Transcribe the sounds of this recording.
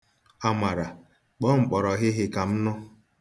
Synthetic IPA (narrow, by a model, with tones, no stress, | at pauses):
a˨ma˨ɾa˨ | k͡pɔ˦ŋ͡m̩˨k͡pɔ˨ɾɔ˨ɦɪ˦ɦɪ˦ka˨m̩˦nɔ˦